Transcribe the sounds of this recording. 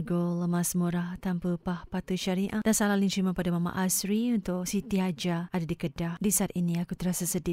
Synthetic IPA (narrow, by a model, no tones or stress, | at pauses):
ɡoləmãsmuɾaht̪ampəpahpat̪uʃaɾiʔad̥ansalahlint͡ʃɾimãpadamama̰ʔasɾiunt̪ʊʔsit̪iɦad͡ʒaadadikədahdisat̪inĩakut̪əɾasasədi